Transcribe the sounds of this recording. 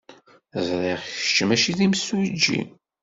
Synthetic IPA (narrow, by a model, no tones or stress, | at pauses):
zˤɾiʁçət͡ʃːmæʃiðimsud͡ʒːḭ